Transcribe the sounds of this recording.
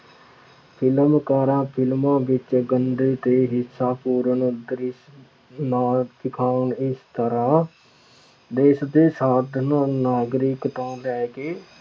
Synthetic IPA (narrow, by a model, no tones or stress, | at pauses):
pʰɪləmkaːɾãːpʰɪlmãːʋɪt͡ʃɡənd̪eːt̪eːɦɪsːaːpuːɾənd̪ɾɪs | naːsɪkʰaːnɪst̪əɾãː | d̪eːsd̪eːsaːd̪ʱnːnaːɡɾɪkt̪ãːlɛːɡeː